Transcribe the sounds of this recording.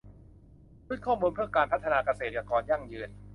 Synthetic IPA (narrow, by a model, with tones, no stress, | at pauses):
u˦˥˩kʰɔː˥˩muː˧npʰɯ˥˩əkaː˧npʰa˦˥t̪ʰːa˧naː˧ka˧seː˨˩t̪̚ka˨˩kɔː˨˩nja˥˩ŋjɯː˧n